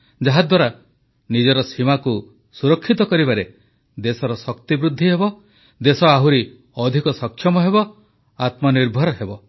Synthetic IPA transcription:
d͡ʒaɦad̪waɾa | nid͡ʒɔɾɔsimaku | suɾɔkʰːit̪ɔkɔɾibaɾe | d̪esɔɾɔsɔkt̪ibɾud̪ʱːiɦebɔ | d̪esɔaɦuɾi | ɔd̪ʱikɔsɔkʰːjɔmɔɦebɔ | at̪mɔniɾbʱɔɾɔɦebɔ

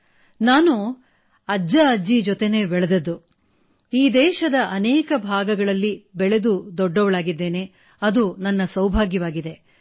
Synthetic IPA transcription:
naːnu | ɐd͡ʒɐɐd͡ʒid͡ʒɔt̪ene̞ːbɛɭed̪ɐd̪u | iːd̪ɛːʃɐd̪ɐʔɐnɛːkɐbʱaːɡɐɡɐɭɐlːibɛɭe̞d̪ud̪ɔɖːɔʋɐɭaːɡid̪ːe̞ːne̞ | ɐd̪unɐnːɐsɐwbʱaːɡjɐʋaːɡid̪e̞

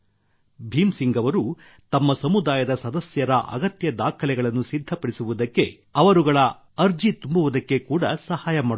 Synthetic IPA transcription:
bʱiːmsiŋɡɐʋɐɾu | t̪ɐmːɐsɐmud̪aːjɐd̪ɐsɐd̪ɐsjɐɾɐʔɐ̰ɡɐt̪jɐd̪aːkʰɐlɛɡɐɭɐnːusid̪ʱːɐpɐɽisuʋud̪ɐkːe̞ | ɐʋɐɾuɡɐɭɐ | ɐɾd͡ʒit̪umbuʋud̪ɐkːe̞kuːɽɐsɐhaːjɐmaːɽ

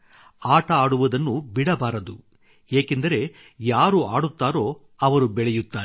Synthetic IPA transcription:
aːʈɐaːɽuʋɐd̪ɐnːubiɽɐbaːɾɐd̪u | eːkend̪ɐɾe̞ | jaːɾuaːɽut̪ːaːɾo̞ː | ɐʋɐɾubɛɭɛjut̪ːaːɾ

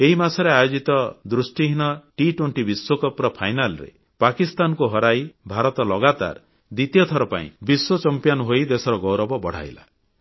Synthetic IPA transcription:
eɦimasɔɾeajod͡ʒit̪ɔd̪ɾusʈiɦinɔʈiʈwoɳʈibiswokɔpɾɔpʰajnalɔɾḛ | pakist̪ankuɦɔɾajbʱaɾɔt̪ɔlɔɡat̪a̰ɾ | d̪it̪ijɔt̪ʰɔɾɔpa̰ḭ̃biswot͡ʃɔmpjanɔɦojd̪esɔɾɔɡɔwɾɔbɔbɔɽ̤a̰jla̰

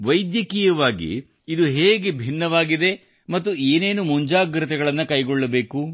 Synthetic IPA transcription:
ʋɐjd̪jɐkiːjɐʋaːɡḭː | d̪uɦeːɡebʱinːɐʋaːɡid̪e̞ | mɐt̪ːueːne̞ːnumuɲd͡ʒaːɡɾit̪ɛɡɐɭɐnːɐkɐjɡɔɭːɐbe̞ːku

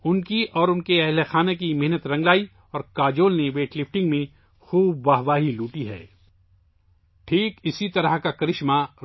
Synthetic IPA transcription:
ʊnkiʔɔːɾʊnkeɛɦlexaːnekimɛɦnət̪ɾɐ̃ŋɡlaːi | ɔːɾkaːd͡ʒoːlneʋeːʈlɪfʈɪ̃ŋɡmẽ | xuːb̚ːaːɦʋaːɦiluːʈiɦɛ̰ː | ʈʰiːkɪsit̪ɐɾəɦkakɐɾɪʃma

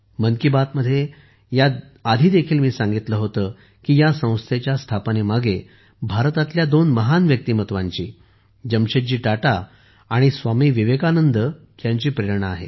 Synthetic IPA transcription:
mənkibat̪məd̪ʱːje | ja | ad̪ʱiːd̪ekʰiːlmiːsãŋɡit̪ləɦot̪əː | kiːjasə̃w̃st̪ʰet͡ɕjast̪ʰapənemaɡe | bʱaɾt̪at̪ljad̪onməɦanʋjək̚t̪iːmət̪ʋaɲt͡ɕḭː | d͡ʑəmɕəd͡ʑiːʈaʈaː | ɽ̃isʋamiːʋiʋekanənd̪ə | k̪jãɲt͡ɕiːpɾeɾɳəaɦḛ

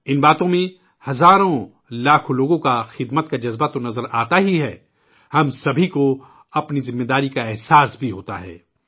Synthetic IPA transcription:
ɪnbaːt̪õmẽ | hɐzaːɾõ | laːkʰoloːɡõkaxɪd̪mət̪kad͡ʒɐzbat̪onɐzəɾaːt̪aɦiɦɛː | hɐmsɐbʱiko | ɐpnizɪmːed̪aːɾikaɛɦsaːsbʱiɦoːt̪a̰ɦɛ̰ː

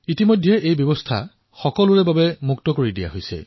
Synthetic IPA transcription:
itimojdʱɛʔejbjɔbɔstʰa̰ | xɔkɔlʊɹɛbabɛmuktɔkoɹidija̰ɦojsɛ̰

